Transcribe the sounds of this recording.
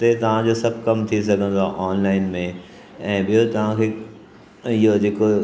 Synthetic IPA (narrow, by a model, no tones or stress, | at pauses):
t̪et̪ɐʋ̤ãd͡ʑosɐbʱkɐmt̪ʰis̬ɐɡʱə̃nd̪oaʔɔːnlaːɪnmẽ | ɛ̃ːɓijot̪ɐʋ̤ãkʰeː | ɪɦod͡ʑeːko